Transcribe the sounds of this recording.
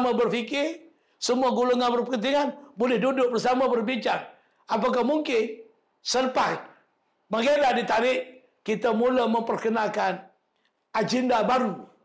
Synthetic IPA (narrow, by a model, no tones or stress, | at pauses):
mabərfikɪr | səmuaɡuluŋanbərpəkənt̪̬iŋanbolɛhdudʊk̚bərsamabərbiɲt͡ʃaŋ | ap̬ak̬ahmuŋkɪn | sərpat̪̚ | maɡeɾadit̪aɾɪʔ | kit̪amulaməmpərkənakan | ad͡ʒɛndabaɾu